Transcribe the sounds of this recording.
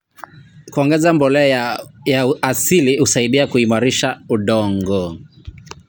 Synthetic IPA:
kuɔŋɡɛzambɔlɛjaasilihusaiɗiakuimaɾiʃauɗɔŋɡɔ

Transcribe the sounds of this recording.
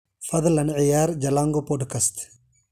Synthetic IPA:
fɐd̪lɐnʕɪjaːɾd͡ʒɐlaːŋɡopɔɖkast̪

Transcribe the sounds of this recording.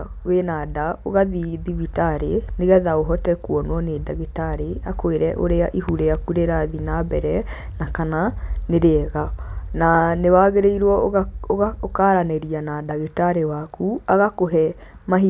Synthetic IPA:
wenadaoɣaðiðivitaɾeneɣɛðaoɦɔtɛkuɔnwɔnedaɣetaɾeakoeɾɛʔoɾeaʔihuɾeakuɾeɾaðinabɛɾɛ | nakananeɾeɣananewaɣeɾeiɾwɔoɣaokaɾaneɾianadaɣetaɾewakʰuaɣakoɦɛ | maɦi

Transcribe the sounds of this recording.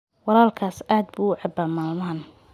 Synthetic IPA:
wɑlaːlkʰaːsaːd̪̚buʕɑbaːmaːmaːn

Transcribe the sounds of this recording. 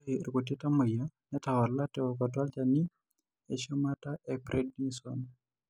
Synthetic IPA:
ɾkot̬etamojanɛtawaɾlatɛɔkɔtwalt͡ʃani | ḛʃomataʔɛpɾʔɛd̚nisɔ̰n

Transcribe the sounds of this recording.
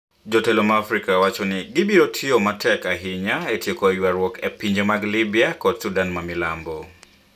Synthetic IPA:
d͡ʒotelomaafɾikawat͡ʃonɪɡɪbiɾotʰiomatʰɛkaɦɪɲaetjekojwaɾwɔkepiɲd͡ʒemaɡlibiakɔdsudanmamɪla̰mbo

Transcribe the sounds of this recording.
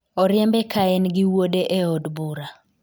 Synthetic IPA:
ɔɾjɛmbɛkʰaɛnɡɪwodeʔeɔdbuɾa

